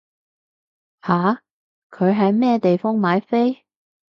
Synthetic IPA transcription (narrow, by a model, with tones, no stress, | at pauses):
haː˨˥ | kʰɵ˨˧ɥɦɐ˨jmɛː˥t̪e˨jfɔː˥ŋmaː˨˧˥jfe˥j